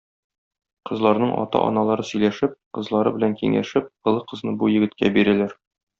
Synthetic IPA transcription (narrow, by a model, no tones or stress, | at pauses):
qɤ̆zlˠɑɾnɤɴʔɒ̰t̪ɑ̰ʔɒ̰nɑlˠɑɾɤsɵ̆jlæʃɘp̚qɤ̆zlˠɑɾɤbɘ̆læŋkiŋæ̰ʃɘp̚qɤ̆lˠɤqɤ̆znɤbujɘ̆ɡɘ̆t̪̚kæbiɾælæɾ